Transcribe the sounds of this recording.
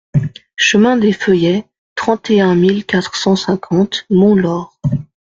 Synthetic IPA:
ʃəmɛ̃d̪efəjɛ | t̪χɑ̃t̪eɛ̃milkat̪χsɑ̃sɛ̃kʰɑ̃t̪mɔ̃lɔːʁ

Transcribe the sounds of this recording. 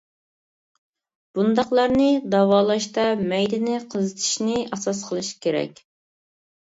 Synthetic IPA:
b̥und̪ɑqlˠɑɾnɨd̪ɑwɑːlˠɑʃt̪ɑmɛjd̪ɪnɪqʰəzɨt̪ʰɨ̥ʃnɪʔɑsɑsqʰəlˠɨʃi̥kʲʰeɾɛ̰kʲ

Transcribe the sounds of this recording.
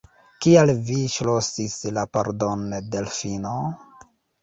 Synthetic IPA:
kialviʃlosislapaɾdondelfino

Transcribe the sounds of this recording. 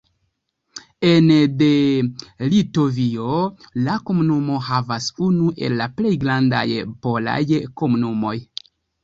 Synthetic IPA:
e̞nde̞lito̞vio̞lako̞munumo̞havasunuʔe̞̰lːaple̞jɡɾanda̰jpo̞la̰jko̞munumo̞j

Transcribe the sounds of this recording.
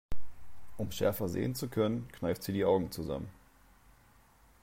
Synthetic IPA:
ʔʊmʃɛ̰ɐfɐzḛːənt͡sukʰœnənkʰn̥aɪftz̥iːdiːʔaʊɡŋ̩t͡suza̰mən

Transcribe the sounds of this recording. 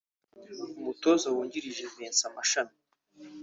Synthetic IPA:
umutozawuːɲɟiɾiʒezeːnsamaʃani

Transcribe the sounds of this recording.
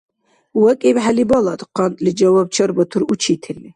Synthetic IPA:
wɛkʼɛbħalibɔlˠad̪qʰɑnt̪ʼlid͡ʒawab̚t͡ʃʰɔɾbɔt̪ʰuɾut͡ʃʰit̪ʰɛli

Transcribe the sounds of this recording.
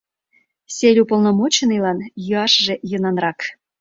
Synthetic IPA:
sʲelʲupolˠnomot͡ɕenɯlɑnjuɑʃʒejənɑnrɑk

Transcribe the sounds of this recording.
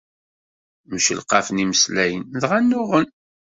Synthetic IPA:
məʃəlqɑfəniməslæjənðʁænːʊʁən

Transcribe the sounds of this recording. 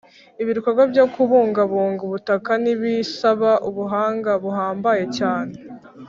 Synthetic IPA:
iβiɾukaɡobjo̞kuβuːŋɡaβuːŋɡuβutakaniβisaβaʔuβuɦaːŋɡaβuɦaːmbaje̞caːne̞

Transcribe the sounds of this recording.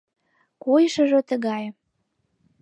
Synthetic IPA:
kojʃə̆ʒŏt̪əɣɑj

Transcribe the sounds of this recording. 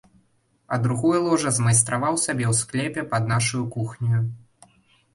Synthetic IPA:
ɐ̰d̪ɾuɣɔjɐlˠɔʐɐzmɐjst̪ɾavawsʲabʲɛwsklʲɛpʲɛpɐd̪̚naʂujukuxnʲuju

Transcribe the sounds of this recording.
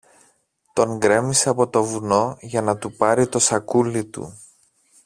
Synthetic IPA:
t̪o̞ŋɡɾe̞miseɐpo̞t̪o̞vuno̞ʝɐnɐt̪upɐɾit̪o̞sɐkulːit̪ṵ

